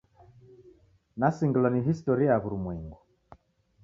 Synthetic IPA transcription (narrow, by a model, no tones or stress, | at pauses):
nasiŋɡlɔniɦistɔɾiaβuɾumwɛŋɡu